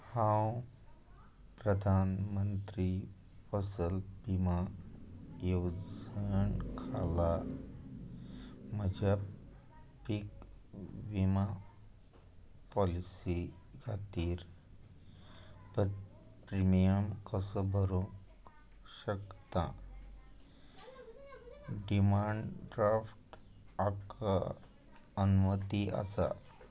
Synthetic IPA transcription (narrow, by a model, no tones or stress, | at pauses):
hãw | pɾəd̪ʱanmənt̪ɾi | fəsəlbima | jewd͡zəɳkʰala | məd͡ʑa | pik | ʋima | pɔlisi | ɡʰʱat̪iːɾ | pəɾ | pɾimijəmkəsəbʱəɾũk | ɕəkt̪ã̰ | ɖimaɳɖɾafʈaka | ənumət̪iʔa̰sa̰